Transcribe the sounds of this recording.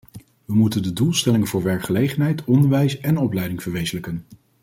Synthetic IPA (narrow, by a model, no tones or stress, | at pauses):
ʋəmutəndədulˠstɛlɪŋənv̥ʊːɹʋɛɹkχəlejχənɦɛjtɔndəɹʋɛjsɛnɔplɛjdɪŋv̥əɹʋejzələkən